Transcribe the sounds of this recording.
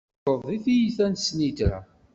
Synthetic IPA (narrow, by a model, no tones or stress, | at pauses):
əðˤiθijiθænsnit̪ɾæ̰